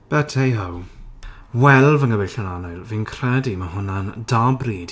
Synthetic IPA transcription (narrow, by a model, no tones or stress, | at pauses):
b̥ɛtʰejɦɔw | wɛlˠvəŋəbɪɬənanɔjlˠviːnkʰr̥ɛdiməɦʊnandabriːd̥